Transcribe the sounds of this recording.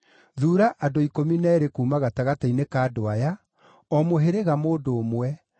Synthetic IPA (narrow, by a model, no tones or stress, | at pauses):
ðuːɾaʔadoikominɛːɾekuːmaɣataɣatainekaːdoaja | ɔmoɦeɾeɣamoːdoːmwɛ